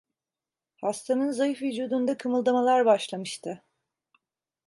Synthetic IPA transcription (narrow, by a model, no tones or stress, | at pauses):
hast̪ʰanɯnzajɯfvid͡ʒuːd̪und̪akʰɯmɯlˠd̪amalˠaɾbaʃlˠamɯʃt̪ʰɯ